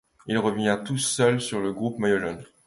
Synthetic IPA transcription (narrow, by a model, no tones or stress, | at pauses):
ilʁəvjɛ̃t̪usœlsyʁləɡʁupmajɔʒɔn